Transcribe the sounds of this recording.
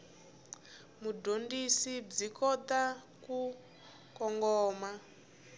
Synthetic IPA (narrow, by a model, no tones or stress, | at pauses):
mudʱondisib͡ʐikɔt̪a | ku | kɔŋɡɔːma